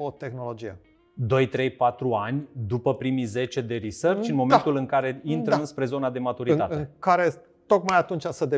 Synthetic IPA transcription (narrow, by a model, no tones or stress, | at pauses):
ot̪e̞xno̞lo̞d͡ʒije | d̪o̞jt̪ɾe̞jpat̪ɾuanʲd̪upəpɾimize̞t͡ʃe̞d̪e̞ɾisərt͡ʃt͡ʃɨnmo̞ment̪ulɨŋkaɾe̞int̪ɾəɨnspɾe̞zo̞nad̪e̞mat̪uɾit̪atɨeŋkaɾe̞ | t̪o̞kmajat̪unt͡ʃasəd̪e